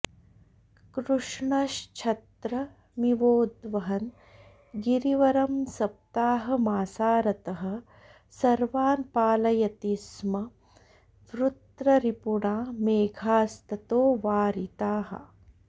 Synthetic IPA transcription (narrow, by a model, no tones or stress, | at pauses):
kɾuʂɳɐʃt͡ʃʰɐt̪ɾɐ | miʋoːd̪ʋɐɦɐn | ɡiɾiʋɐɾɐmsɐp̚t̪aːɦɐ̆maːsaːɾɐt̪ɐɦɐ̆ | sɐɾʋaːnpaːlɐjɐt̪ismɐ | ʋɾut̪ɾɐɾipuɳaːmeːɡʱaːst̪ɐt̪oːʋaːɾit̪aːɦɐ̰